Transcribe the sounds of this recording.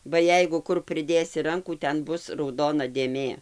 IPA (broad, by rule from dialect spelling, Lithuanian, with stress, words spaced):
bɐ ˈjɛɪɡʊ ˈkʊr pʲrʲɪˈdʲeːsʲɪ ˈrɐŋkuː ˈtʲɛn ˈbʊs rɐʊˈdoːnɐ dʲeːˈmʲeː